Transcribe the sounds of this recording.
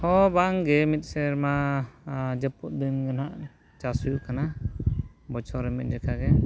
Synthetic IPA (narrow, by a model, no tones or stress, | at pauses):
hɔbaŋɡɛmit̪̚sɛɾma | d͡ʒəput̪̚d̪ɯnɡənaʔ | t͡ʃasujuʔkana | bɔt͡ʃʰɔɾɛmit̪̚ˀd͡ʒɛkʰaɡɛ